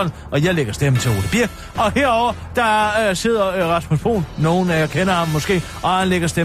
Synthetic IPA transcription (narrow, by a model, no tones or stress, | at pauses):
l | ʔɒ̽jɑ̈ɪleɡ̥ɐsd̥em̩t͡sʰe̝lʁo̝ːl̥əb̥iɐ̰ɡ̥ | ɒ̽heɐ̰ɒʊ̰ɐ | d̥ɑ̈se̝ð̞̰ˠɐʁɑ̈smusb̥ʰo̝̰ːnːo̝ːn̩æjakʰenɐhɑ̈mːɒ̽sɡ̥e̝̰ː | ʔɒ̽hanleɡ̥ɐsd̥e